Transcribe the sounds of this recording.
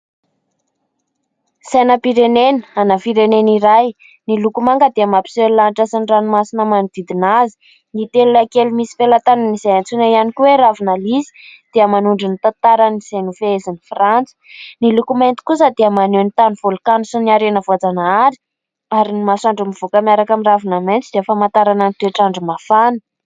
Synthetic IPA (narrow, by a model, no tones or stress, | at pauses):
sajnəpiɾenenə̥anafiɾeneniɾaj | nilukumaŋɡəd̪eamapi̥sellanʈ͡ʂasinɖ͡ʐanumasinəmanid̪̥id̪inazi̥ | nit̪elunakelumisi̥felat̪anənizajant͡sunaianikuweɾavinalisi̥d̪̥eəmanuɳɖ͡ʐinit̪at̪aɾaniz̥ajnufeezinifrant͡sə̥nilukument̪i̥kusəd̪eəmanenit̪anuvolkanusiniaɾenəvoad͡zanaaɾi̥ | aɾinimasaɳɖ͡ʐumiv̥okəmiaɾakamiravinament͡sid̪eefamant̪aɾananit̪eʈ͡ʂaɳɖ͡ʐumafanə